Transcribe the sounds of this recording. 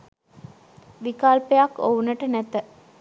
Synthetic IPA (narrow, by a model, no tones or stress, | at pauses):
ʋikaːlpejakːounəʈənæt̪ə